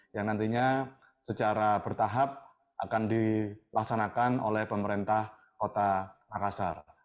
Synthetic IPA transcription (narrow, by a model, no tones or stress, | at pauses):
jaŋnant̪iɲa | sət͡ʃaɾabərt̪aɦap̚ | ʔa̰kandilaksanakano̰lɛhpəməɾent̪ah | kot̪anakasar